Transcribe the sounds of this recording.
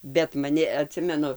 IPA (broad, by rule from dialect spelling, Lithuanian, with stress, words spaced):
bʲɛt mɐˈnʲɪ ɐˈtʲsʲɪmʲɛnʊ